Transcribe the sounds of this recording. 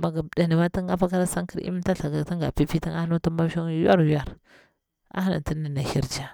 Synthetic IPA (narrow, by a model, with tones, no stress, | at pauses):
ma˨ɡa˨da˨ni˨ma˦ta˦ŋa˦fa˦ka˦ɾa˦sa˦ŋki˦ɾḭ˦m˦ta˦ɬa˨ɡa˨ta˦ŋɡa˨pi˦pi˦ta˦ŋa˦nu˦ta˦ba˦ʃa˦ŋ˦ju˦a˦ɾju˦a˨ɾ | a̰˦ha˦na̰˨nti˦ni˨na˨hi˦ɾd͡ʒa˦